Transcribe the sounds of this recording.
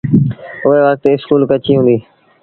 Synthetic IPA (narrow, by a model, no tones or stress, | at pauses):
ʊɦeːʋək̚t̪ːɪskuːlkət͡ʃiːɦʊ̃ːnd̪iː